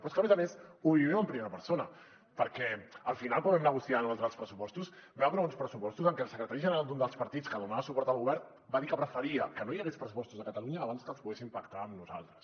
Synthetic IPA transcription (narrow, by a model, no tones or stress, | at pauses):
pɾɔskəmezəmesuβiβɛməmpɾimeɾəpəɾsonə | pəɾkɛəlˠfinalˠkwambɛmnəɣusianalˠt̪ɾalˠspɾəsupɔst̪usbɛapɾaunspɾəsupɔst̪uzəŋkɛlˠsəkɾət̪aɾiʒənəɾalˠd̪und̪əlˠspɐɾt̪itt͡skəðumaəsupɔɾt̪əlˠɣuβɛɾn | baðikəpɾəfəɾiəkənojəɣespɾəs̬upɔst̪uzðəkət̪əluɲəːβanskəlˠspuɣesimpəkt̪aːmnuza̰lˠt̪ɾəs